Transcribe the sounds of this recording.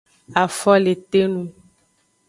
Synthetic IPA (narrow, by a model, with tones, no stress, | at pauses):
a˨fɔ˦le˨t̪e˦nũ˦